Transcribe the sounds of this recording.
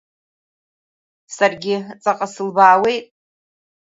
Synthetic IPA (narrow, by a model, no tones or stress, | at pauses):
sarɡʲɪt͡sʼaqʼasɨlbaːwe̞jtʼ